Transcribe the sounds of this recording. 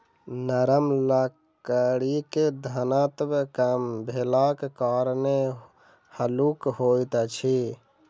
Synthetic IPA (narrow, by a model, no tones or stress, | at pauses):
nəɾəmləkəɽiked̪ʱanat̪bkəmbʱelakekaːɾne | həlukɦojt̪t͡ʃʰi